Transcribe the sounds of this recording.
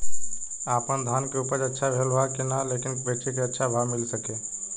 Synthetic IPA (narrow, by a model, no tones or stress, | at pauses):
apənd̪ʱankeupəɾətːʃʰabʱelbakenalekinbeʈikeətːʃʰabʱamilsəke